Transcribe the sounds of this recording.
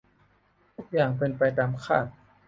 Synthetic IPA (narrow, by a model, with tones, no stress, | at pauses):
t̪ʰuː˦˥˩k̚jaː˨˩ŋpe˧npa˧jt̪aː˧mkʰa̰ː˥˩t̪̚